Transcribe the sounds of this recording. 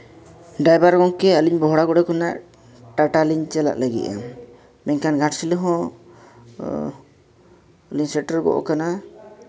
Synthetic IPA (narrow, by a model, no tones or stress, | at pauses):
ɖajbaɾɡɔŋkɛəliɲbɔɦɽaɡɔɽɛkɔnaʔ | ʈaʈaliɲt͡ʃala̰ʔləɡḭʔa̰ | mɛɲkanɡʱãʈsiləɦɔ̃ | əliɲsɛʈəɾɡɔ̰ʔɔ̰kana